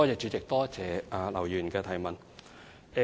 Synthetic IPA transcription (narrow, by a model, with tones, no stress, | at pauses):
ɔː˥ɛː˨˩t͡ʃyː˨˧t͡sɪ˨k̚t̪ɔː˥t͡sɛː˨˩ʔaː˨˧lɐ˨˩wjyː˨˩nkɛː˧t̪ʰɐ˨˩jmɐ˨n | ɛ˧